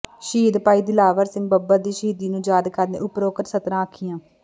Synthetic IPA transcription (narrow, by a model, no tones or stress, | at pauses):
ʃiːd̪paːiːd̪iːlaːʋəɾsɪ̃ŋɡ̚bəbaːd̪iːʃiːd̪iːnũːd͡ʒaːd̪kəɾnḛːʔʊpɾoːkəɾsət̪ɾãːəkʰɪjãː